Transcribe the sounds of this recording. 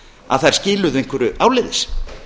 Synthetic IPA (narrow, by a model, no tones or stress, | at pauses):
a̰ðθaj̥scɪːlʏðejŋkvɛɾʏʔaːwlɪːðɪs